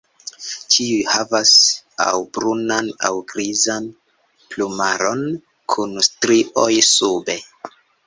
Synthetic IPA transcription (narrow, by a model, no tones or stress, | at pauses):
t͡ʃiujhavasa̰wbɾunana̰wɡɾizan | plumaɾo̞n | kʰunstɾiʔojsube̞